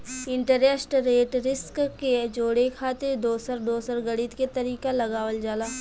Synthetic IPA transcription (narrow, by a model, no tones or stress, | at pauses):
ɪ̃ɳʈəɾesʈɾeːʈɾɪskked͡ʒoːɽekʰaːt̪eɾd̪oːsəɾd̪oːsəɾɡɐɽit̪ket̪ɐɾiːkalɐɡaːʋəld͡ʒaːlaː